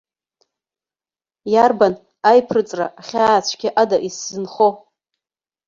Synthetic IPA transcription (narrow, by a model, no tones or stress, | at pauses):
jarban | ajpʰrɨt͡sʼraːχʲaːt͡sʷʰɡʲɪʔadaʔiszɨnχo